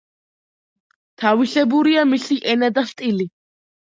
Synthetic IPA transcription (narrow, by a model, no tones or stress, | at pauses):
t̪ʰaviɬɛbuɾiamisiʔɛnad̪ast̪ʼili